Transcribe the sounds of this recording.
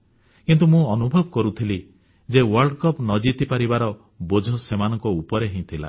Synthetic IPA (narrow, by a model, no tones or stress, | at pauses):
kint̪̬umũɔnubʱɔbɔkɔɾut̪ʰili | d͡ʒewɔɾɖkɔpnɔd͡ʒit̪ipaɾibaɾɔ | bod͡ʒʱɔsemanɔ̃ŋkɔupɔɾeɦĩt̪ʰila̰